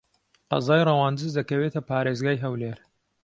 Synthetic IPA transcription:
qɑ̰zɑːjrɐwɑːnd̪ɨzd̪ɐkɐweːt̪ʰɐpaːɾeːzɡaːjɦɐwleːɾ

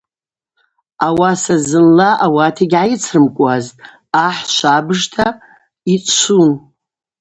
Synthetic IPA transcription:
awasazɨnlaʔawatʰiɡʲʕajɪt͡sʰrɨmkʷʼaztʼ | aħʃʷabɨʐtʰa | it͡sʷʼʃʷʰun

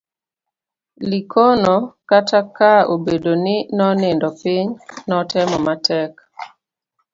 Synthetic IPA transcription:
likʰonokatakaobedoninɔnɪndɔpɪɲnɔtɛmɔmatʰɛk

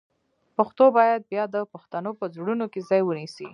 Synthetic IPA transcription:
paxt̪obɑjad̪̚bjɑd̪əpaxt̪anopəzɽunokezɑjwənisi

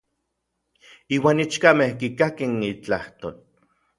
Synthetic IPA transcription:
iːwaːnit͡ʃkamehkikakenit͡ɬaht̪o̰ːl

